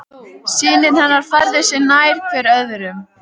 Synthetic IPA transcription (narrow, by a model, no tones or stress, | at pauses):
siːnɪnhanːaɾ̥faɾðɪsɪnaːjɾ̥kʰvɛɾœðɾʏm